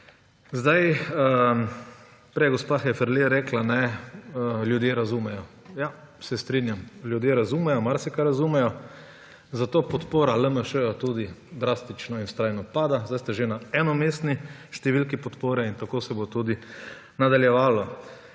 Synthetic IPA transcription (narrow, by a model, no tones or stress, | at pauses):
zd̪ajə | pɾɛɡospaxɛfɛɾleɾɛklanɛ | ljud̪jeɾazumɛjɔ | ja | sɛst̪ɾinjamljud̪jeɾazuːmɛjɔmaɾsɛkaɾazumɛjɔ | zat̪oːpɔt̪poːɾaləməʃəjat̪ud̪id̪ɾast̪it͡ʃnɔinst̪ɾajnɔpaːd̪azd̪ajst̪ɛʒenaɛnɔmest̪niʃt̪ɛʋilkipɔt̪poːɾɛint̪akoːsɛbot̪uːd̪i | nad̪aljɛʋaːlɔ